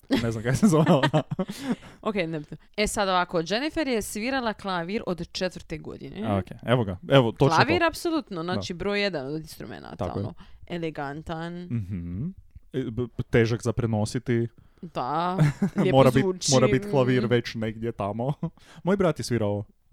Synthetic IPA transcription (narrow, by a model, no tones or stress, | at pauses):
nezamkakjsezoel | okejnebit̪noesad̪oʋakod͡ʒenifeɾjesʋiɾalˠaklˠaʋiɾod̪t͡ʃet̪ʋɾt̪eɡo̰d̪ḭnḛokeeʋoɡaeʋot̪olaʋiɾapsolˠut̪noznaːt͡ʃibɾoːjːed̪anod̪inst̪ɾṵmḛna̰t̪a̰o̰eleɡant̪anm̩ɦm̩ | t̪eːʒakzapɾenosit̪i | d̪a | moːɾabimoːɾabit̪i̥klˠaʋiɾʋet͡ɕneɡd̪ʲjet̪amo | mojbɾat̪jesʋiɾao